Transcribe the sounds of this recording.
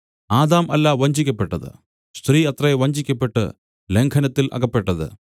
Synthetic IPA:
aːd̪aːmɐlːaːʋɐɲd͡ʑikʲːɐpːe̞ʈːɐðɨ̰ | st̪riːɐt̪rɐjeʋɐɲd͡ʑikʲːɐpːe̞ʈːɨ̰ | le̞ŋkʰɐnɐt̪ːilʔɐ̰ɣɐpːe̞ʈːɐðɨ̰

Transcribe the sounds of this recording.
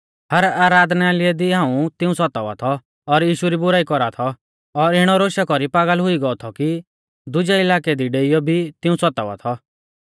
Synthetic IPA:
hɐɾaːɾaːd̪nɛaːlɪɛd̪iɦãːũt̪ɪũsɔt̪aʋa̰t̪ʰɔ | ɔɾjiːʃuɾibʊɾaːikɔɾat̪ʰɔ | ɔɾɪɽ̃ɔɾoːʃakɔɾipaːɡəlɦʊiɡɔɔt̪ʰɔki | d̪ʊd͡ʒɛɪlaːkɛd̪iɖeːijɔbʱit̪ɪũsɔt̪aʋa̰t̪ʰɔ

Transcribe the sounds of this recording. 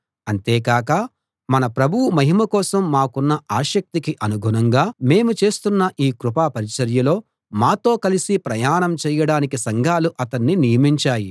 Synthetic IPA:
ɐnt̪eːkaːkɐ | mɐnɐpɾɐbʱuwumɐɦimɐkɔːsɐmːaːkunːɐʔaːʃɐk̚t̪ikiʔɐnuɡʱunɐŋɡaːme̞ːmut͡ʃe̞ːst̪unːɐʔiːkɾupaːpɐɾit͡ʃɐɾjɐlo̞ː | maːt̪o̞ːkɐlisipɾɐjaːnɐmt͡ʃɛːjɐɽaːnikisɐŋɡʱaːluʔɐt̪ɐnːinijɐmiɲt͡ʃaːji

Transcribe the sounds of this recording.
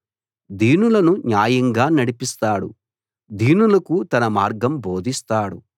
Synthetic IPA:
d̪iːnulɐnuɲjaːjɐŋɡaːnɐɽipist̪aːɽṵ | d̪ʱiːnulɐkut̪ɐnɐmaːɾɡɐmboːd̪ʱist̪aːɽṵ

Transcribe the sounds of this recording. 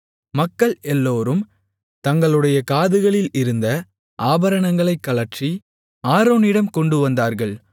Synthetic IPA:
mɐkːɐɭɛlːoːɾɯm | t̪ɐŋɡɐɭɯɽɐjɐkaːðɯɣɐɭɪlɪɾɯnd̪ɐ | ʔaːbɐɾɐɳɐŋɡɐɭɐɪkːɐlɐʈt͡ʃri | aːɾoːnɪɽɐmkɔɳɖɯʋɐnd̪aːɾɣɐɭ

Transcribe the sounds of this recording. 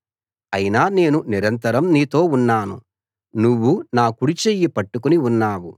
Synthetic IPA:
ɐjinaːne̞ːnuniɾɐnt̪ɐɾɐmniːt̪o̞ːunːaːnṵ | nuʋːunaːkuɽit͡ʃejːipɐʈːukuniunːaːwu

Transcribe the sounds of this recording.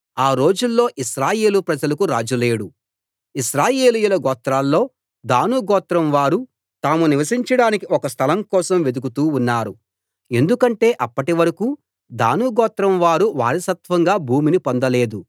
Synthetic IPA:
aːɾo̞ːd͡ʒulːo̞ːʔiʃɾaːje̞ːlupɾɐd͡ʒɐlɐkuɾaːd͡ʒule̞ːɽu | iʃɾaːje̞ːlijulɐɡɔːt̪ɾaːlːo̞ː | d̪aːnuɡɔːt̪ɾɐmʋaːɾu | t̪aːmuniʋɐsiɲt͡ʃɐɽaːnikiɔkɐst̪ʰɐlɐmkɔːsɐmʋe̞d̪ukut̪uːunːaːɾu | e̞nd̪ukɐɳʈe̞ːʔɐpːɐʈiʋɐɾɐkuː | d̪a̰ːnuɡɔːt̪ɾɐmʋaːɾuʋa̰ːɾisɐt̪ʋɐŋɡaːbʱuːminipond̪ɐle̞ːd̪u

